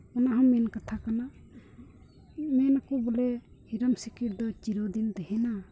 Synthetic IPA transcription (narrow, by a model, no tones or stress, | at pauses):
ɔnaɦɔ̃mɛnkat̪ʰakana | mɛnakubɔlɛhiɾəmsikiɾd̪ɔt͡ʃiɾod̪ind̪ɛɦɛna